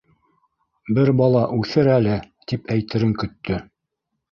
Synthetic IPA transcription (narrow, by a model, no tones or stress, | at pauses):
bɘɾbɑlˠɑʔʉθɘɾælɘt̪ipæjt̪ɘ̆ɾɘŋkɵ̆t̪ːɵ